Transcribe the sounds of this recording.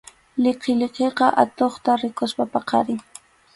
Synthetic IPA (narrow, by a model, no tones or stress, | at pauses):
lɪqɪlɪqeqɑʔa̰t̪oχt̪aɾɪkʊspapɑqɑ̰ɾɪŋ